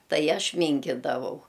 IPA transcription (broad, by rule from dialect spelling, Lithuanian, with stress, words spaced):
ˈtɐɪ ˈɐʃ ˈmʲiːŋʲkʲɪdɐʋɐʊ